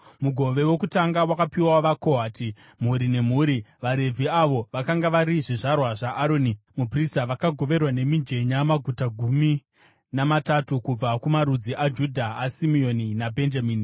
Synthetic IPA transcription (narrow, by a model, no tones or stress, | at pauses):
muɡʱo̞ʋe̞we̞kutaŋɡawakapiwaʋakoɦaːtʰi | m̤uɾine̞m̤uːɾiʋaɾe̞vʱiaʋo̞ʋakaŋɡaʋaɾiʐiʐarwaʐaʔːɾonimupristaʋakaɡʱo̞ʋe̞rwane̞mind͡ʒe̞ɲamaɡʱutaɡʱumi | namatatukub͡vakumaɾud͡ziʔad͡ʒudʱaːsimio̞ninabʱe̞nd͡ʒamiːni